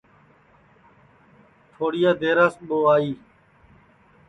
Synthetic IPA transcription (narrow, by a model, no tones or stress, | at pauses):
t̪ʰoːɽɪjaːd̪eːɾaːsɓoːaːiː